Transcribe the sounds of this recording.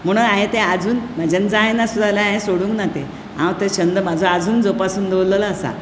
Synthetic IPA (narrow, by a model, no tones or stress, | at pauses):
m̤əɽ̃əaɦẽt̪ẽad͡zuːnmad͡ʑand͡zajnasud̪alaaɦẽsoɽũːŋknat̪e | ã̰wt̪əɕənd̪əmad͡zʱoad͡zuːnd͡zopasuːnd̪ʱewləlaːsa̰